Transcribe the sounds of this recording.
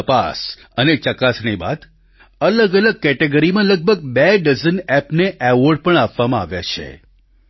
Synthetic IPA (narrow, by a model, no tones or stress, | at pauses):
əpa̰s | ənet͡ʃəkasɳiba̰d̪ | ələɡələɡ̚kɛʈeɡəɾimãləɡ̚bʱəɡ̚bɛɖəzənɛpneʔɛʋoɾɖpəɳapʋamãaʋja̰t͡ʃʰḛ